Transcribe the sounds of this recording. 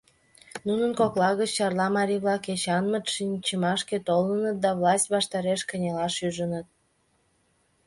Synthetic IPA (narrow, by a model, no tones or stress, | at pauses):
nunənkoklɑɣət͡ɕːɑrlɑmɑɾʲiβlɑket͡ɕɑnmət̪ʃinʲt͡ɕəmɑʃket̪olənət̪̚d̪ɑvlɑsʲtʲβɑʃt̪ɑɾeʃkə̆nʲelɑʃyʒənət̪̚